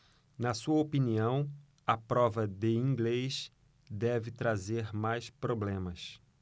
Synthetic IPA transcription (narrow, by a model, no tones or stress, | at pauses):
nɐsuɐopiniɐ̃w̃ | ɐpɾɔvɐd̪ɪĩŋɡlejʃ | d̪ɛvɪt̪ɾazeɾmajspɾoblẽmɐs